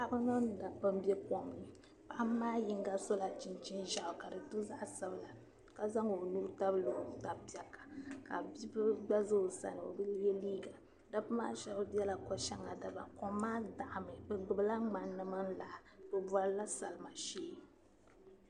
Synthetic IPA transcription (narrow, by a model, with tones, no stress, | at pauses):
a˦bɨ˦nɨ˦n˨da˨pːɨ˦m˦bɛ˦kɔ˨mnɨ˨ | pa˨ʔa˦m˦maː˦ji˦ŋ˦ɡa˦so˦la˨t͡ʃi˨nt͡ʃi˦nʒa˨ʔʊ˨ka˨dɨ˨tɨ˦za˦ʔsɨ˦bla˨ | ka˨za˦ŋo˨nu˦ɾta˦blo˨˦ta˨pi˨ɛ˨kːḁ˨ka˨bi˦bɨ˦ɡ͡ba˦zɨ˦o˨sa̰˨nɨ˨o̰˨bɨ˦jɛ˦liː˦ɡa˨ | da˦pɨ˦maː˦ʃɛ˨bɨ˦bɛ˦la˨kɔ˦ʃɛ˦ŋa˨da˨ba˨kɔː˨˦aː˦da˨ʔa˨mɨ˨bɨ˨ɡ͡bɨ˨bɨ˦la˦ŋ͡ma˨nɨ˦ma˦n˦la˨ʔbɨ˨bwa˨lla˦sa˨lɨ˨ma˨ʃeː˦